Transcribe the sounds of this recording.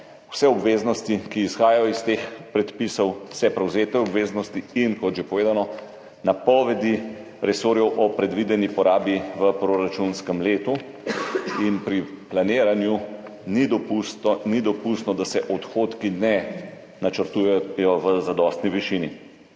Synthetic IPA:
wsɛɔbʋeːznɔst̪ikiːsxaːjajɔist̪eːxpɾɛt̪pisɔwsɛpɾɛwzeːt̪ɛɔbʋeːznɔst̪iːnkɔt̪ʒɛpɔʋeːd̪anɔ | napɔʋɛd̪i | ɾɛsoːɾjɛwʔɔpɾɛd̪ʋid̪ɛnipɔɾaːbiʋəpɾoɾat͡ʃunskəmleːt̪u | inpɾiplaneːɾanju | nid̪ɔpunid̪ɔpust̪nɔd̪asɛʔɔt̪xoːt̪kinɛ | nat͡ʃəɾt̪ujɛjɔʋəzad̪ɔst̪niʋiʃini

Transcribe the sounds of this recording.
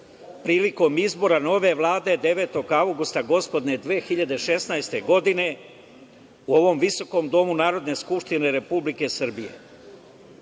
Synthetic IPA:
pɾiːliko̞mizbo̞ɾano̞ʋe̞ʋlˠaːd̪ed̪e̞ʋe̞ːt̪o̞ɡawɡust̪aɡo̞spo̞d̪ne̞d̪ʋeːxiʎad̪e̞ʃe̞snajst̪e̞ɡo̞d̪ine̞ | uo̞ʋo̞mʋiso̞ko̞md̪o̞munaːɾo̞d̪ne̞skupʃt̪ine̞ɾe̞publike̞sr̩bije̞̰

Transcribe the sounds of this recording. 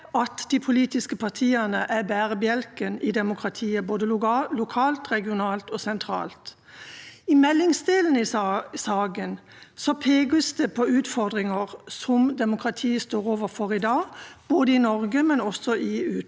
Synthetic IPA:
ɑt̪d̪ipʰʊliːt̪ɪskəpʰɑʁt̪ʰiːənəʔæbæːʁəbjɛlkənɪd̪ɛmʊkʰʁɑt̪ʰiːəboːd̪əlʊkʰɑːlt̪ʁɛɡɪʊnɑːlt̪ɔsɛnt̪ʰɾɑ̰ːlt̪ | ɪmɛlːɪŋsd̪eːln̩ɪsɑːɡən | sɔpʰeːɡəst̪əpʰɔʉːt̪fɔʁd̪ʁɪŋəʁsɔmd̪ɛmʊkʰʁɑt̪ʰiːəst̪oːʁoːʋəfɔʁɪd̪ɑːb̥oːd̪əɪnɔʁɡəmɛnɔsɔʔɪʉː

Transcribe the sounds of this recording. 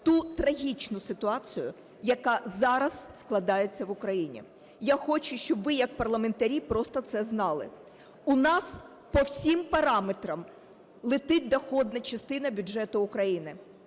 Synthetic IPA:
t̪ut̪ɾɐɦʲit͡ʃnʊsɪt̪ʊɑt͡sʲijʊ̰ | jɐkɑzɑɾɐz̥sklˠɐd̪ɑjet͡sʲːɐʋʊkɾɐjinʲḭ | jaxɔt͡ʃʊʃt͡ʃɔbʋɪjɐkpɐrlˠɐment̪ɐɾʲipɾɔst̪ɔt̪sɛznɑlˠɪ̰ | ʊnɑs | pɔwsʲimpɐɾɑmet̪ɾɐm | lˠɪt̪ɪt̚ʲd̪ɔxɔd̪nɐt͡ʃɐst̪ɪnɐbʲʊdʐɛt̪ʊʊkɾɐjinɪ

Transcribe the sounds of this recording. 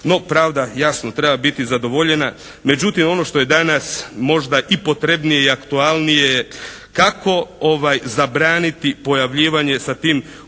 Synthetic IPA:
no̞pɾaːʋd̪ajasno̞t̪ɾe̞babit̪izad̪o̞ʋo̞ʎe̞na | me̞d͡ʑut̪imo̞no̞ʃt̪o̞je̞d̪anasmo̞ʒd̪aʔipo̞t̪ɾe̞bnijeiakt̪ualˠnije | kakʰo̞oʋajzabɾaːnit̪ipo̞jaʋʎiːʋaɲe̞sat̪iːm

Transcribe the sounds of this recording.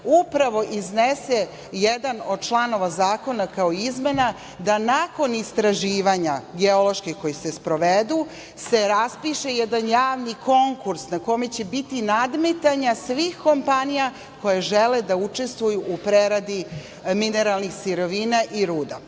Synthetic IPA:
upɾaʋo̞ʔiznese | jed̪ano̞d̪̚t͡ʃlˠano̞ʋazaːko̞nakaoizme̞na | d̪anako̞nist̪ɾaʒiːʋaɲaɡeo̞lo̞ʃkixko̞jise̞spɾo̞ʋed̪u | se̞ɾaspiʃejɛd̪anjaːʋniko̞ŋkuɾsnako̞me̞t͡ɕe̞bit̪inad̪met̪aɲasʋiːxko̞mpanija | ko̞jeʒeled̪aut͡ʃe̞st̪ʋujuʔupɾeɾad̪i | mine̞ɾalˠnixsiɾo̞ʋiːnaʔiɾuːd̪a̰

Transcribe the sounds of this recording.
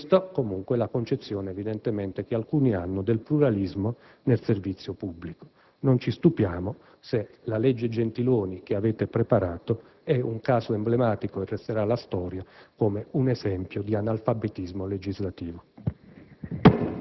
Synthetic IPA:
st̪akomuŋkwelakont͡ʃet̪sːjɔːneːvid̪ɛnt̪emɛnt̪ek̟ealkuːnia̰nːʊd̪elpluɾalizmo | nelservit̪sːjopubːliko̥ | nont͡ʃist̪upjaːmo | selalɛd͡ʒːed͡ʒent̪iloːnik̟eaveːt̪epɾepaɾaːt̪o | ɛuŋkaːzoemblemaːt̪ikoerːest̪eɾalast̪ɔːɾjakoːmeunɛzɛmpjod̪ianalfabet̪izmoled͡ʒizlat̪iːvo

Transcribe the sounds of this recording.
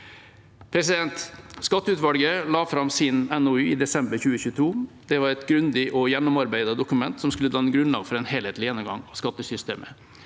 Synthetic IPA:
pʰɾɛs̬ɪd̪ɛnt̪skɑt̪ːəʉːt̪ʋɑlɡəlɑːfɾɑmsɪnɛnʊʉːiːd̪ɛsɛmbəɾçʉːəçʉːət̪ʰuː | d̪̥ɛʋɑɾɛt̪ɡɾʉnd̪ɪʔɔjɛnːʊmɑɾbæɪd̪ɑd̪ʊkʉmɛnt̪sɔmskʉlət̪ʰɑːɛnɡɾʉnlɑ̰ːɡfɔɾɛnheːleːt̪lɪjɛnːʊmɡɑ̰ŋɑskɑt̪ːəsʏst̪ḛːmʔə̰

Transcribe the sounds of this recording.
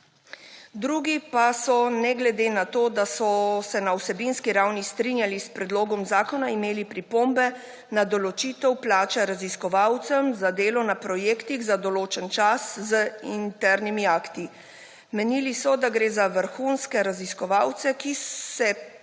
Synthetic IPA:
d̪ɾuːɡipasɔnɛɡlɛd̪eːnat̪oːd̪asɔsɛnausɛbinskiɾawnist̪ɾinjalispɾɛd̪loːɡɔmzaːkɔnaimeːlipɾipoːmbɛ | nad̪ɔlɔt͡ʃiːt̪ɛwplaːt͡ʃɛɾaziskɔʋawt̪sɛmzad̪eːlɔnapɾɔjeːkt̪iɣzad̪ɔloːt͡ʃɛnt͡ʃaszəint̪ɛɾnimiaːkt̪i | mɛnilisɔd̪aɡɾeːzaʋəɾxunskɛɾaziskɔʋawt̪sɛkissɛ

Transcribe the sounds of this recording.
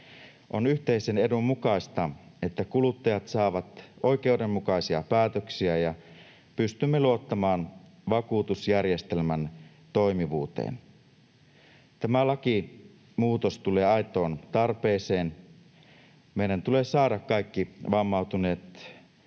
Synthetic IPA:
ʔo̞nyht̪e̞isenedumːukɑist̪ɑe̞t̪ːækulut̪ːɑjɑt̪sɑːʋɑt̪o̞jk̟e̞ude̞mːukɑisiɑ̰pæːt̪øksiæjɑ | pyst̪ymːeluo̞t̪ːɑmɑːn | ʋɑkuːt̪usjærje̞st̪e̞lmæn | t̪o̞jmiʋuːt̪ḛːn | t̪æmælɑki | muːt̪o̞st̪ule̞ːɑjt̪o̞ːnt̪ɑrpe̞ːse̞ːn | me̞idænt̪ule̞sɑːɾɑkkːɑjkːiʋɑmːɑuwt̪une̞ːt̪

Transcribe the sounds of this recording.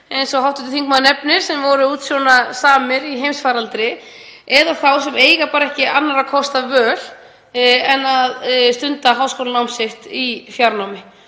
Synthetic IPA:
ejnsɔhawht̪ʏt̪ʏθiŋk̚maðnɛpnɪɾ̥sɛmvɔɾʏuːt̪sjɔwnasaːmɪɾiɦejmsfaːɾalt̪ɾɪ | ɛðaθawsɛmeːjɣapaːɾɛhcɪʔanːaɾakʰɔst̪avœːl̥ | ɛnːaðst̪ʏnt̪aɦawskowlanawmsɪht̪ifjaɾnawmɪ

